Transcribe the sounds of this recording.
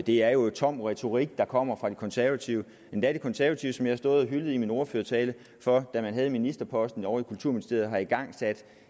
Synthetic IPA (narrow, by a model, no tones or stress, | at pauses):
d̥e̝æɐjo̝t͡sʰɒ̽m̰ʁɛt͡sʰo̝ʁiɡ̥̚d̥ɑ̈kʰɒ̽m̰ɐfʁɑ̈d̥e̝kʰɒ̽nsæɐʋæt͡sʰiʊ | end̥æd̥e̝kʰɒ̽nsæɐʋæt͡sʰiʊsɒ̽mjhæsd̥ɔ̽ːðˠɒɦylð̩ˠimino̝ːɐføɐt͡sʰɛːlə | fɒ̽d̥æmænɦɛːð̞̩ˠminisd̥ɐpʰɒ̽sd̥n̩ɒʊikʰult͡sʰuɐ̰minisd̥e̝ɐð̩ˠɦɑ̈iɡ̥ɑ̈ŋ̰sæd̥